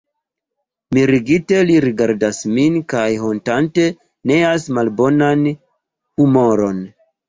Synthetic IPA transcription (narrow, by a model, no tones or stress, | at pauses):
miɾiɡite̞liɾiɡaɾdasminkajɦontante̞ | ne̞asmalbo̞nan | humo̞ɾo̞n